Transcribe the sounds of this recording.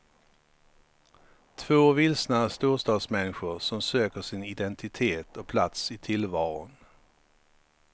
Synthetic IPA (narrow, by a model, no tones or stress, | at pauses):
t̪ʰvoːvɪlsnast̪uːʂt̪ɑːd̪smɛnːɪɧʊɾʂɔmsøːkəʂɪnɪd̪ɛnt̪ɪt̪ʰeːt̪ɔpʰlat̪sɪt̪ʰɪlvɑːɾʊ̰n